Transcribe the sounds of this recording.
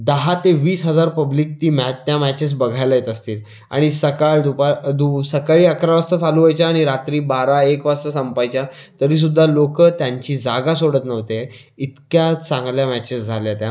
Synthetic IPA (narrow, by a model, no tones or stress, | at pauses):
d̪əɦat̪eʋiːsɦəd͡zaɾpəbliːk̚t̪iːmɛt̪jamæt͡ɕes̬bəɡʱajlajet̪əst̪iːl | a̰ɽ̃isəkaɭd̪upad̪usəkaɭiːəkɾaʋast̪at͡saluʋajt͡ɕaːɽ̃iɾat̪ɾiːbaɾaekʋast̪əsəmpajt͡ɕjat̪əɾiːs̬ud̪ʱːalokət̪jaɲt͡ɕiːd͡zaɡasoɽət̪nəʋt̪e | it̪kjat͡sãŋɡljamæt͡ɕesd͡zʱaljat̪ja